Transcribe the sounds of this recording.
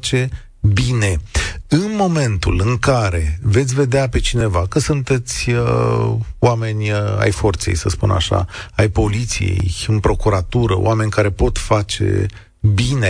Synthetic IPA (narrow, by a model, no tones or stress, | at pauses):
t͡ʃe̞ | bine̞ɨnmo̞me̞nt̪ṵlɨŋkaɾe̞ve̞t̪sʲve̞d̪eape̞t͡ʃine̞vakəsunt̪e̞t̪sʲə | wame̞nʲa̰jfo̞rt̪se̞̰jsəspuna̰ʃa̰ajpo̞lit̪sḭje̞̰jɨnpɾo̞kuɾat̪uɾəo̰ʔame̞nʲkaɾe̞po̞t̪fat͡ʃe̞̰ | bine